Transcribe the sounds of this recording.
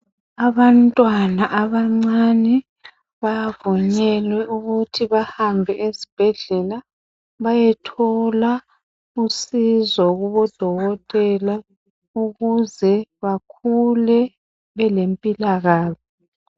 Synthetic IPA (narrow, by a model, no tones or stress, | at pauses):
aβantʼwanaʔaβaŋ͡ǀanɛ | βajavuɲɛlwɛʔuɣutʰiβahambʱɛʔesi̥b̥ʱɛɮɛla | βajɛtʰɔla | usizɔɣuβɔd̥ʱɔɣɔtʼɛla | uɣuzɛβakʰulɛ | βɛlempʼilaɣaːzɔ